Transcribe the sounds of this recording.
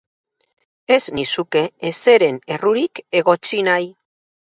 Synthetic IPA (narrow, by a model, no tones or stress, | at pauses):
e̞znisuke̞ese̞ɾe̞ne̞ruɾike̞ɣo̞t͡sinaj